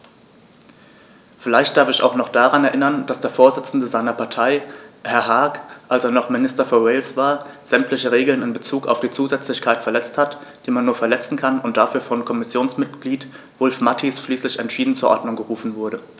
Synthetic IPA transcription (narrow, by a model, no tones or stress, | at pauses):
fɪlaɪçt̚d̥aɐfɪça̰ʊxnɔχd̥aʁanɛɐʔɪnɐnd̥asd̥eːɐfoːɐzɪt͡sn̩dəzaɪnɐpʰaɐtʰaɪhɛɐɦaɐkʔalseːɐnɔχmɪnɪstɐfɔːɐweɪlsv̥aːɐz̥ɛmtʰlɪçəʁeːɡl̩nɪnbət͡suːka̰ʊfd̥iːt͡suːzɛt͡slɪçkʰaɪtfɛɐlɛt͡sthatd̥iːmanːuːɐfɛɐlɛt͡sn̩kʰanʊnt̚d̥afyːɐfɔnkʰɔmɪsjoːnsmɪtɡ̥liːt | v̥ʊlfmatʰisʃliːslɪçɛntʃiːdn̩t͡suːɐʔɔ̰ɐdnʊŋɡəʁuːfn̩vʊɐɾə